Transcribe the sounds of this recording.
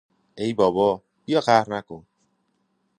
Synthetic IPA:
ejbɒːbɒː | b̥ijɒxæhɾnækon

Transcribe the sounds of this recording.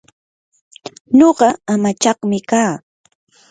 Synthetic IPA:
ɲoɢɑamat͡ʃɑχmɪkaː

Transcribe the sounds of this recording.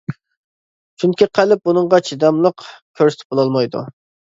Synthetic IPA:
t͡ʃʰunkʲʰiqʰælɪp̚bunɨŋʁɑt͡ʃʰid̪ɑmlˠəqkʲʰøɾsɪt̪ʰɪ̥p̚bolˠɑlˠmɑjd̪ṵ

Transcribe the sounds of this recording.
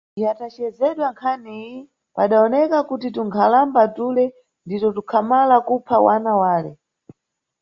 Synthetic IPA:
ijatat͡ʃɛzɛɗwaŋkʰani | paɗaɔnɛkakutituŋkʰalambatulɛ | nditɔtukʰamalakupʰawanawaːlɛ

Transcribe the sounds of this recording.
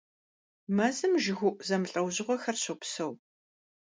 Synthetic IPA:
mazɨmʒɪɣʷʊʔzɐmɨɬʼɐwʑɪʁʷɔxɐrɕɐpsɐw

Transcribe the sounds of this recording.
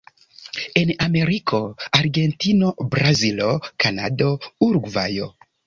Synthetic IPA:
e̞name̞ɾikʰo̞aɾɡe̞ntino̞bɾazilokana̰do̞uɾɡva̰jo̰

